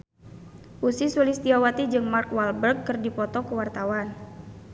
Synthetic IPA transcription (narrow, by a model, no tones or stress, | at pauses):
ʔusisulist̪iawat̪id͡ʒɨŋmarkwalbərkːɨrdipɔt̪ɔkəwart̪awan